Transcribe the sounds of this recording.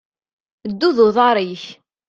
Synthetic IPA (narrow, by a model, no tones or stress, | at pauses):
d̪ːuðʊðˤɑɾˤiç